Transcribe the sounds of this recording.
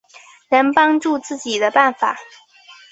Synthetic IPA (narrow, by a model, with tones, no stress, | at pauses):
nə˧˥npɑ˥ŋʈ͡ʂu˥˧t͡sɹ̩˥˩t͡ɕi˨˩d̪ə˦pa˥˩nfa˨˩˦